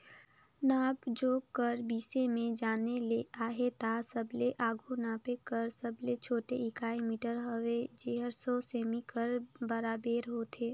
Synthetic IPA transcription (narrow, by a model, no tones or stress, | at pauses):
naːbd͡ʒoːkəɾbiːsemẽd͡ʒaːneleaːɦet̪asəbleʔaːɡʱunaːpekəɾsəblet͡ʃʰoːʈeɪkaːimiːʈəɾɦəʋed͡ʒeːɦəɾsoseːmikəɾbəɾaːbeːɾɦoːt̪ʰeː